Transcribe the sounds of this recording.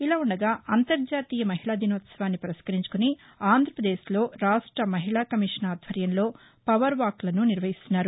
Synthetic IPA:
ilaːuɳɖɐɡaːɐnt̪ɐɾd͡ʒaːt̪iːjɐmɐɦiɭaːd̪ʱinɐʋɐt̪sɐʋaːnːipɐɾɐʃkɐɾiɲt͡ʃu̥kuni | aːnd̪ʱɾɐpɾɐd̪eːʃlo̞ːɾaːʂʈɾɐmɐɦiɭaːkɐmiʂɐnaːd̪ʱʋɐɾjɐnlo̞ː | pɐʋɐɾʋaːklɐnuniɾʋɐɦist̪unːaːɾu

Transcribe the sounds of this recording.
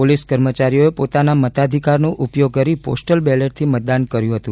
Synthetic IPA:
oliskəɾmət͡ʃaɾijoepot̪anamət̪ad̪ʱikaɾnũʔupjoɡ̚kəɾipo̰sʈəlbɛleʈ̚t̪ʰimət̪̚d̪ankəɾjũɦət̪ũ

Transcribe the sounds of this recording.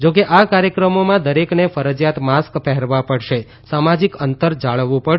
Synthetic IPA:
d͡ʒokeʔakaɾjəkɾəmomãd̪əɾeknefəɾəd͡ʒjat̪maskpɛɦɛɾʋãpəɽʃe | samad͡ʒikənt̪əɾd͡ʒaɭʋũpə

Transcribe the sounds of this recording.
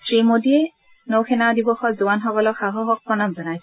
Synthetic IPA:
sɹimodiɛ | nowkʰɛnadibɔxɔzuwanxɔkɔlɔxaɦɔɦɔk̚pɹɔnamzɔnajs

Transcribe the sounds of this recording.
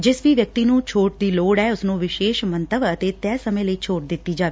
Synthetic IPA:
d͡ʒɪsʋiːʋjək̚t̪iːnũːt͡ʃʰoːʈ̚d̪iːloːɽɛːʊsnũːʋɪʃeːʃmənt̪əbət̪eːt̪ɛːsəmẽːləiːt͡ʃʰoːʈ̚d̪ɪt̪ːiːd͡ʒaːʋeː

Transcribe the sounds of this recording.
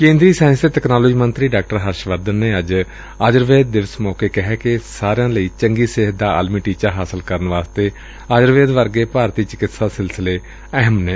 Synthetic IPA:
kẽːnd̪ɾiːsaːnseːt̪ɛknaːloːd͡ʒiːmənt̪ɾiːɖaːk̚ʈəɾɦəɾʃʋəɾd̪ənːeːəd͡ʒ | aːd͡ʒəɾʋeːd̪̚ːɪʋəsmɔːkeːkɪɦɛːkɪsaːɾejãːləiːt͡ʃəŋɡiːsɪɦət̪̚d̪aːə̰ːlmiːʈiːt͡ʃaːɦaːsəlkəɾənʋaːst̪eː | aːd͡ʒəɾʋeːd̪ʋəɾɡeːpaːɾt̪iːt͡ʃɪkɪt̪saːsɪlsɪleː | ɛɦəmnɛː

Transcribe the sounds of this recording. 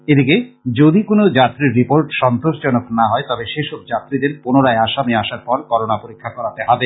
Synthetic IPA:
ed̪iked͡ʑod̪ikonod͡ʑat̪ːɾiɾːipoɾʈʃɔnt̪oʃd͡ʑɔnoknaɦɔet̪ɔbeʃeʃob̚d͡ʑat̪ːɾid̪eɾpunoɾaeaʃamiaʃaɾpɔɾkɔɾonapoɾikʰːakɔɾat̪eɦɔbe

